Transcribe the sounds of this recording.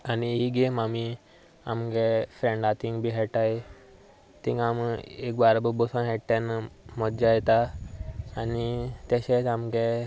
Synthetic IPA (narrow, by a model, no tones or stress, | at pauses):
aniiɡemami | a̰mɡefɾẽɳɖat̪ĩŋɡbʱiɦɛʈaj | t̪ĩŋɡamek̚baɾbəbɔsə̃nɦɛʈːenmɔd͡ʒajɛt̪aː | nit̪eɕeamɡe